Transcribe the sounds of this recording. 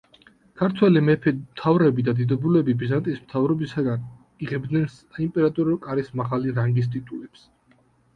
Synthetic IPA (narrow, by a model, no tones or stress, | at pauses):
kʰaɾt̪ʰwɛlimɛpʰɛmt̪ʰavɾɛbid̪ad̪id̪ɔbulɛbibizant̪ʼismt̪ʰavɾɔbisaɡan | iʁɛbd̪nɛns | impʼɛɾat̪ʼuɾɔkʼaɾismaʁaliɾaŋɡis̬t̪ʼit̪ʼulɛps